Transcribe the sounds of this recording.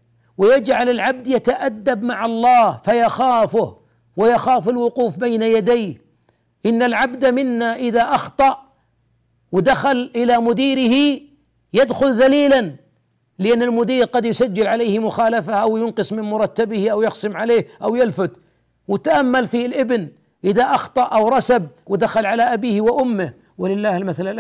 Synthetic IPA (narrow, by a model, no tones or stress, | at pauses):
wɪjad͡ʒʕalɪlʕab̚d̪jat̪aʔad̪ːabmaʕɑlˤːɑːhfajaxaːfʊh | wajaxaːfɪlwʊquːfbajnajad̪ajh | ʔɪnːalʕabd̪amɪnːaʔɪðaʔɑxt̪ˤɑʔ | wɪd̪axalʔɪlamʊd̪iːɾɪhi | jad̪xʊlðaliːlan | lɪʔanːɪlmʊd̪iːɾqɑd̪jʊsad͡ʒːɪlʕaleːhmʊxaːlafaʔawjʊnqɨsˤmɪnmʊɾˤɑt̪ːabɪhiʔawjɪqsɨmʕaleːhʔawjɪlfʊt̪ | wɪt̪aʔamːalfilʔɪbn | ʔɪðaʔɑxt̪ˤɑʔʔawɾˤɑsab̚wɪd̪axalʕalaʔabiːhwɪʔʊmːɪh | wɪlɪlːaːhɪlmaθalaʔ